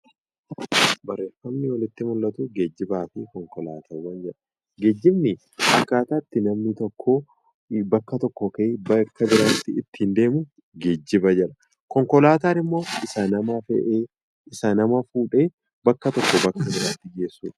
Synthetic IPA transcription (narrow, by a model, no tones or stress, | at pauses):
bɐɾːeːfɐmnɪwɐlɪt̪ːɪmʊlːɐt̪uɡed͡ʒːɪbaːfɪkɔŋkɔla̰ːt̪ʰɐɾwɐnd͡ʒɛᶑɐ̥ | ɡed͡ʒːɪbnɪ | ʔɐkːaːt̪aːt̪ːɪnɐmnɪt̪ɔkʰːoː | bɐkːɐt̪ɔkːɔkɐbɐkːɐbɪɾaːt̪ːɪɪt̪ːiːnd̪e̞ːmʊ | ɡed͡ʒːɪbɐd͡ʒɛᶑɐ̥ | kɔŋkɔlaːt̪aːɾɪmːo̞ːɪsɐnɐmafɛ̰ʔeː | ɪsɐnɐmɐfuːᶑe̞ː | bɐkːɐt̪ɔkːɔbɐkːɐbɪɾaːt̪ːɪɡe̞ːsːṵːᶑɐ̥